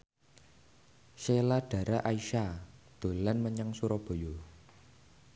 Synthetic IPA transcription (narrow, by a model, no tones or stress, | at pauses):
ʃelaɖ̥ä̤ɾaʔaiʃad̪̥o̤lanməɲaŋsuɾɔb̥o̤jo